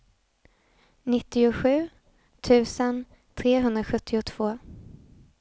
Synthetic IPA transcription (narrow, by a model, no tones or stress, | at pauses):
nɪt̪ːɪʊɧʉ̟ː | t̪ʰʉ̟ːsən | t̪ʰɾeːɦɵnd̪ɾaɧɵt̪ʰːɪʊt̪ʰv̥oː